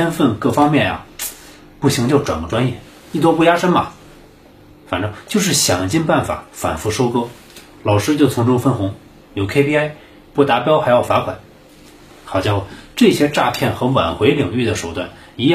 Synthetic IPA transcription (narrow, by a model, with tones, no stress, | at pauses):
ɛ˥nfə˥˧nkɤ˥˩fɑ˥ŋmjɛ˥˩nja̰˩ | pu˥˩ɕi˧˥ŋt͡ɕjʊʈ͡ʂwa̰˨˩nɡə˦ʈ͡ʂwa˥njɛ˥˩ | i˥˩t̪wɔ˥pu˥˩ja˥ʂə˥nmɐ̰˨ | fa˨˩nʈ͡ʂɤ˥ŋt͡ɕjo˥˧ʊʂ̬ɻ̩˥˩ɕjɑ̰˨˩ŋt͡ɕi˥˧npa˥˩nfa̰˨˩˦fa̰˨˩nfu˥˩ʂo˥ʊkɤ˥ | lɑ˨˩ʊʂɻ̩˥t͡ɕjo˥˩ʊt͡sʰʊ˧˥ŋʈ͡ʂʊ˥ŋfə˥nxʊ˧˥ŋ | jo˨˩ʊkʰe˥pʰi˥a˥˩ɪ | pu˥˩t̪a˧˥pjɑ˥ʊxa˧˥ɪjɑ˥˩ʊfa˧˥kʰwa˨˩˦n | xɑ˨˩ʊɕjɑ˥˧ŋxwʈ͡ʂɤ˥˩ɕjɛ˥ʈ͡ʂa˥˧pʰjɛ˥˩nxɤ˧˥wa̰˨˩nxwe˧˥ɪli˨˩ŋy˥˩d̪ə˩ʂo˨˩ʊt̪wa˥˩n | i˧˥j